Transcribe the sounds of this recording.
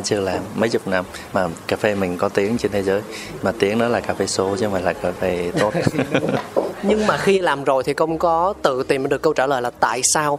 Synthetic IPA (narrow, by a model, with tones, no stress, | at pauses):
t͡ɕɨ˧əlaː˨˩mːə˨˦jt͡ɕʊ˨˩k͡p̚na˧mːaː˨˩kaː˧˩fe˧mï˨˩ŋ̟kɔ˨˦t̪i˨˦əŋt͡ɕe˧nt̪ʰe˨˦zəː˨˦j | maː˨˩t̪i˨˦əŋnɔ˨˦laː˨˩kaː˧˩fe˧so˨˦zɔ˧ma˨˩laː˨˩kaː˧˩fe˧t̪o˦˥t̚ | ɲɨ˧ŋmaː˨˩xi˧laː˨˩mzo˨˩jt̪ʰi˨˩xə˧wŋ͡mkɔ˨˦t̪ɨ̰˧˨t̪i˨˩məː˨˦ɗɨ˨˩əkːə˧wt͡ɕaː˧˩ləː˨˩jlaː˨˩t̪a̰ː˧˨jsaː˧w